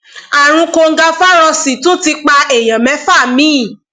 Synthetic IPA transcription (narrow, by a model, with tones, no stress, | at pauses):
a˨ɾ̃ũ˧ko˧ŋ̩˦ɡa˧fa˦ɾ̃ɔ̃˧si˨tũ˦˨ti˧k͡pa˧e˨j̃ã˨mɛ̃˨˦fa˦˨mĩ˦˨